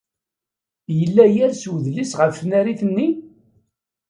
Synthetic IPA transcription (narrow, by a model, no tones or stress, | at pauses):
jəlːæjæɾswəðlisʁəffnæɾiθənːi